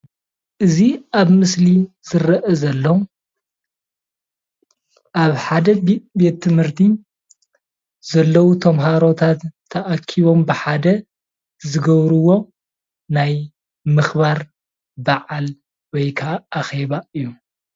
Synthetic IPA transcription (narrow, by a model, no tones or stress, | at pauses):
ʔɨziaβmɨsli | z̥ɨɾɐʔɐzɐlːɐ | ʔaβħad̪ɐbe̞t̪ʰːɨmhɨɾt̪ʰi | zɐlːɐwut̪ʰɐmɦaɾo̞t̪ʰat̪ʰːɐʔakʰiβo̞mbɨħad̪ɐ | zɨɡɐβɾuwo̞ | naj | mɨxbaɾ | baʕal | wɔjkʰaːxe̞βaɨjːu